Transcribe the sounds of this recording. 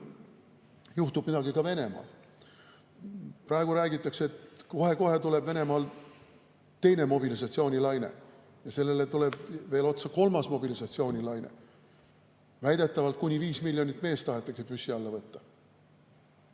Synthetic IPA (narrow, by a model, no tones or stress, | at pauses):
juht̪ub̥mid̪ɑɡikɑve̞ne̞mɑ̰ːl | prɑeɡ̥uɾæːɡit̪ːˑɑkseet̪ko̞he̞ko̞he̞t̪ule̞b̥ve̞ne̞mɑːl | t̪e̞jne̞mo̞bilisɑt̪sio̞ːnʲilɑjnḛ | jɑse̞lːe̞let̪ule̞b̥ve̞ːlo̞t̪sɑko̞lmɑsmo̞bilisɑt̪sio̞ːnʲilɑjnḛ | væjd̪̥e̞t̪ːˑɑvɑlt̪̚kunʲiviːsmilʲːjo̞nʲit̪ːˑme̞ːst̪ɑɦe̞t̪ːˑɑksepysːiɑlːɑvɤt̪ːɑ̥